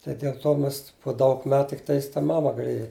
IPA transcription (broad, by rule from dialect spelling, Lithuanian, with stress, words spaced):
tɐɪ dʲɛlˠ ˈtoː ˈmʲɛs poː ˈdɐʊk ˈmʲɛt tʲɪkˈtɐɪs tɐ ˈmɑːmɐ ɡɐˈlʲeːjɛ